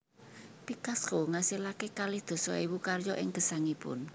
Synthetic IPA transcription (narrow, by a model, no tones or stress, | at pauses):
pikaskoŋasilakekalɪhd̪̥o̤sɔ̰iwukarjɔʔɪŋɡ̥ə̤saŋipʊ̰n